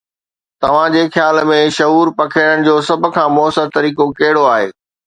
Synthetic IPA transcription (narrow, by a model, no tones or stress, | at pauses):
t̪ɐʋ̤ãd͡ʑeːxjaːlmẽʃɐɦuːɾpɐkʰeɽəɽ̃̆d͡ʑoːsɐb̆ʱkʰãːmɔːsəɾt̪ɐɾiːkokɐɦɪɽoaːɦeː